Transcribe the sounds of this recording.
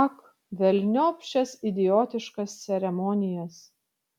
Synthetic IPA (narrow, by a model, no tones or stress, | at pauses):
ɑk | ʋʲɛlʲnʲoːpʲʃʲɛsɪd̪ʲɪjoːt̪ʲɪʃkɐst̪sʲɛɾʲɛmɔːnʲɪjɛs